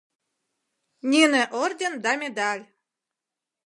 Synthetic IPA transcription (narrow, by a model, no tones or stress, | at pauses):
nʲenĕʔord̪ʲend̪ɑmʲed̪ɑlʲ